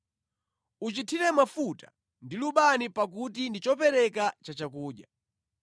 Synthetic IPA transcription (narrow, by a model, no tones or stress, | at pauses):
ut͡ʃitʰiɾɛmafuta | ndiluɓanipak̬utindit͡ʃɔpɛɾɛkat͡ʃat͡ʃakuːɗja